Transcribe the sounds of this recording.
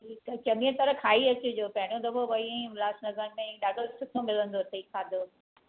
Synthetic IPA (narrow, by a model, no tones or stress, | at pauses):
ʈʰiːkɐt͡ɕɐmĩə̃t̪ɐɾəkʰaːiɐt͡ɕʊd͡ʑoːpɐ̃ɦɪɽ̃od̪ɐboʋɐĩĩmlaːsnɐzəñ̆mẽɗaːɖʱosʊt̪ʰomɪlə̃nd̪ot̪ʰeikʰaːd̪ʱoː